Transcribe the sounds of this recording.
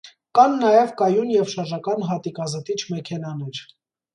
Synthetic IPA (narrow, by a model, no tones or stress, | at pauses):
kɑnːɑjɛvkɑjunjɛvʃɑɾʒɑkɑnɦɑt̪ikɑzət̪it͡ʃʰmɛkʰɛnɑnɛɾ